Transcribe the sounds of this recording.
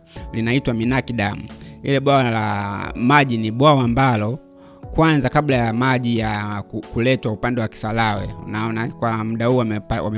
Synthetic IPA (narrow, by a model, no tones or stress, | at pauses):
linaitwaminakiɗamuilɛɓwawalamaʄiniɓwawaːmbalɔ | kwanzakablajamaʄijakkulɛtwaupandɛwaki̥salawɛ̰naɔnakwamuɗahuːapawa̰mɛ